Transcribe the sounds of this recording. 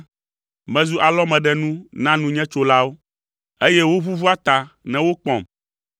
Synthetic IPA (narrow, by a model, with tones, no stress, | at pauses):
mɛ̃˨zu˦ʔa˨lɔ˦mɛ̃˨ɖɛ˦nũ˦nã˦nũ˦ɲɛ̃˦t͡ʃo˦la˦wo˦ | e˦jɛ˦wo˦βu˦vu˦a˦t̪a˨nɛ̃˨wo˦k͡pɔ̰̃˨m